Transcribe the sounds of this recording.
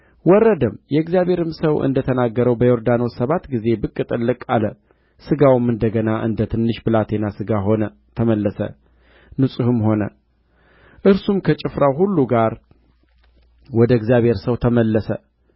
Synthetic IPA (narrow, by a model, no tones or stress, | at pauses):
wɔrːəd̪ɨmjɛɡzijaβhe̞ɾɨmsəwʔɨ̰nd̪ət̪ʰənaɡːəɾəwbəjoɾd̪ano̞səβat̪ɡize̞bɨkʼːɨt̪ʼɨlːɨkʼalə | sɨɡawɨmɨnd̪əɡənaʔɨ̰nd̪ət̪ʰɨnːɨʃbɨlat̪ʰe̞nasɨɡaɦonə | t̪ʰəməlːəsə̰ | nɨsʼuhɨmho̞nə̰ | ʔɨɾsumkʰət͡ʃʼɪfɾawɦulːuɡaɾ | wɔd̪əɡzjaβhe̞ɾsəwt̪ʰəməlːəsə